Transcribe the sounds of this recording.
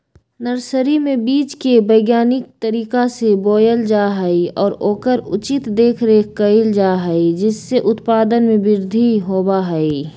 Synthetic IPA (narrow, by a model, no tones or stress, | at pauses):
nəɾsəɾimẽbiːt͡ʃkebɐjɡjaːnɪk̚t̪ɐɾiːkaseboːjəld͡ʒaːɦɐiɔːɾoːkəɾʊt͡ʃɪt̪d̪eːkʰɾeːkɐɪld͡ʒaːɦəid͡ʒɪsːeʔʊt̪paːd̪ənmẽbɪɾd̪ʱiɦoːbaɦɛi